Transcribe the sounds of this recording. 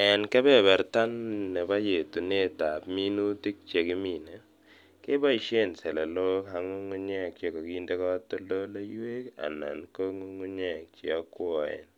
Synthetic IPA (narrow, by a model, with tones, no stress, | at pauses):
ɛ˨nkɛ˦bɛ˦˨bɛ˨ɾta˦nːɛ˨ba˦je˨tu˨ne˦ta˨pmi˦nu˦ti˦k̚t͡ʃe˨kɪ˦mi˨ne˨ | ke˦ba˦i˨ʃe˦˨nsɛ˨lɛ˨lo˦ɦa˨ŋu˦ŋu˦ɲɛ˦˨k̚t͡ʃe˦˨kɔ˨ki˦nde˦kɔ˦tɔ˦lo˦la˦je˦ka̰˨na̰˨nko˦ŋu˦ŋu˦ɲɛ˦˨k̚t͡ʃɪ˨ɔ˦kwɔ˨ɛ̰˨n